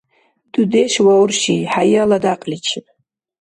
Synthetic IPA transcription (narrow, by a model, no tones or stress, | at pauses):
d̥udeʃwawrʃiħajaladaqʼlʲit͡ʃʰɪn